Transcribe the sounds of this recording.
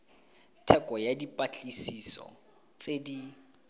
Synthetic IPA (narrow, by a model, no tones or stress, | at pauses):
tʰɛkʼɔjadipʼat͡ɬʼisisɔ̰ | t͡sedi